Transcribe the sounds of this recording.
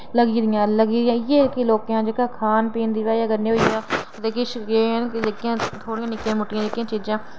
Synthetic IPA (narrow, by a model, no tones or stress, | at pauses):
ləɡiːd̪ɪjãːləɡiːd̪ɪjãːjeːkiloːkjãːd͡ʒekaːkʰaːnpiːnd̪iːʋaːjaːɡəɾnẽːɦoijaː | t̪eːkɪʃeːɦɛnkɪd͡ʒekɪjãːt̪ʰoːɽĩjãːnɪkjãːmʊʈːɪjãːd͡ʒekɪjãːt͡ʃiːd͡ʒãː